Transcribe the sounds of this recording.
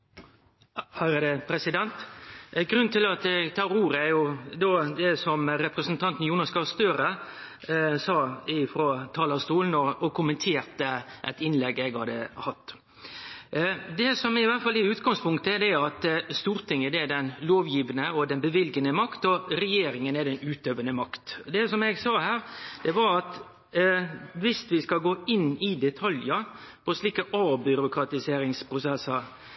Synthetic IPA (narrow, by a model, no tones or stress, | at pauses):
hœɾəd̪ɛpʰɾɛsɪd̪ɛnt̪ɡɾʉnːt̪ɪlɑt̪ɛɡt̪ʰɑːɾuːɾəæɾjʊd̪oːd̪ɛsɔmɾɛpɾəsənt̪ʰɑnt̪n̩juːnɑskɑst̪øːɾə | sɑːɪfɾoːt̪ʰɑːləst̪uːln̩ɔːkʊmənt̪ʰeːɾt̪əʔæɛt̪ɪnlɛɡɛɡhɑd̪əhɑt̪ː | d̪ɛsɔmɛɪʋæt̪fɑlɪʉːt̪ɡɑŋspʰʊŋkt̪əɛd̪ɛɑt̪st̪uːɾt̪ʰɪŋːəd̪ɛɛd̪ɛnloːʋjiːʋənəɔd̪ɛnbəʋɪlɡənəmɑkt̪ɔɾɛjeːɾɪŋənɛd̪ɛnʉːt̪øːʋənəmɑkt̪d̪ɛsɔmɛɡsɑːhæːɾd̪̥ɛʋɑɾɑt̪ | ʋɪst̪ʋɪskɑɡoːɪnːɪd̪ɛt̪ʰɑljə | pʰɔsliːkəʔɑːbʏɾʊkɾɑt̪ɪseːɾɪŋspʰɾʊsɛsːɑ